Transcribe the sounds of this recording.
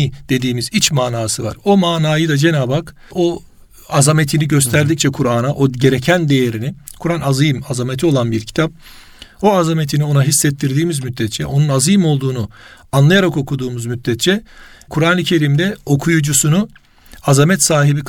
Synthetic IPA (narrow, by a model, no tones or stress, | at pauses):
d̪̥e̞d̪iːmizit͡ʃmaːnaːsɯva̰ɾo̞maːnaːjɯd̪ad͡ʒe̞naːbak | o̞ | azame̞t̪ʰiniɟøst̪ʰæɾd̪ic̚t͡ʃʰɛkʰuɾaːnaʔo̞ɟe̞ɾe̞cʰænd̪e̞jeɾinikʰuɾanazɯjɯmazamet̪ʰio̞lˠanbiɾcʰi̥t̪ʰap̚ | o̞azamet̪ʰinio̞naɦisːɛt̪ːiɾd̪iːmizmyt̪ːɛt̪t͡ʃʰɛ̰ʔo̞nunazɯjmo̞lˠd̪uːnuanlˠajaɾako̞kʰud̪uːmuzmyt̪ːɛt̪̚t͡ʃʰɛkʰuɾaːnɯcʰe̞ɾiːmd̪ɛo̞kʰujud͡ʒusunu | azamɛt̪saːɦibik